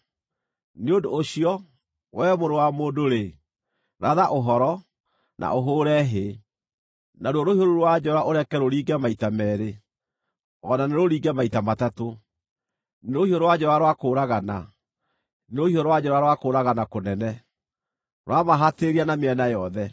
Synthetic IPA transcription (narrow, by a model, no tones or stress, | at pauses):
neondoːɕiɔ | wɛmoɾowamoːdoɾe | ɾaðaʔoɦɔɾɔ | nʔa̰ʔoɦoːɾɛɦe | naɾwɔɾohioɾoɾwad͡ʒɛɾaʔoɾɛkɛɾoɾiːɡɛmaitamɛɾe | ɔnaneɾoɾiːɡɛmaitamatato | neɾohioɾowad͡ʑɛɾwaɾwakoːɾaɣana | neɾohioɾowad͡ʒɛɾwaɾwakoːɾaɣanakonɛnɛ | ɾwamaɦateɾianameɛnajɔðɛ